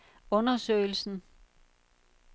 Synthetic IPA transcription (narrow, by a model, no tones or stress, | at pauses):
ɔ̽nɐsø̰ɪl̩sn̩